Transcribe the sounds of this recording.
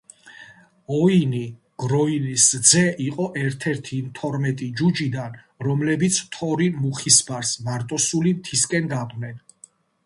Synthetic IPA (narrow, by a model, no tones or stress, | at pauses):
ɔini | ɡ̥ɾɔinisd̪zɛʔiqʼɔʔɛɾt̪ʰɛɾt̪ʰimt̪ʰɔɾmɛt̪ʼid͡ʒud͡ʒid̪an | ɾɔmlɛbit̪sʰt̪ʰɔɾimuχisbaɾsmaɾt̪ʼɔsulimt̪ʰiskʼɛnɡ̪aqʼnɛn